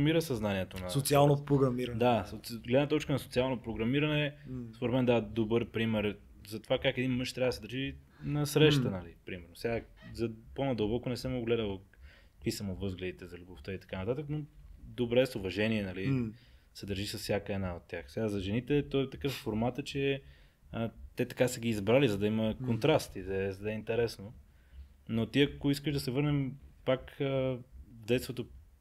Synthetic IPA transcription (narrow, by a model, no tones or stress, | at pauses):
miɾəsɐznaniɛt̪onɐsot̪sialˠnopɾoɡɾɐmiɾd̪aoɡlɛd̪nət̪ɔt͡ʃkənɐso̥t̪sialˠnopɾoɡɾɐmiɾɐnɛspoɾɛt̪mɛnd̪avɐd̪obəɾpɾimɛɾ | zɐt̪ovakakɛd̪inmɤʃt̪ɾʲavɐd̪sɛd̪əɾʒi | nɐsɾɛʃt̪ənɐlipɾimɛɾnosɛɡazɐponɐd̪əɐlˠbɔkonɛsɛmoɡɡlɛd̪əl | kɐkvisɐmovɤzɡlʲɛd̪it̪ɛzɐlʲuboft̪əit̪ɐ̥kanɐt̪at̪əknod̪obɾɛsʊvɐʒɛniɛnɐli | sɛd̪əɾʒisəsfsʲjakəɛd̪naot̪ːʲjaxsɛɡazɐʒɛnit̪ɛt̪ɔɛt̪ɐkɤffoɾmat̪ət͡ʃɛ | ət̪ɛt̪ɐ̥kasəɡiːzbɾalizɐd̪ɐiməkont̪ɾast̪id̪ɐɛzɐd̪ɛint̪ɛɾɛsno | not̪iɐkoiskəʒd̪ɐsɛvɤɾnɛmpak | vd̪ɛjt̪t̪vot̪o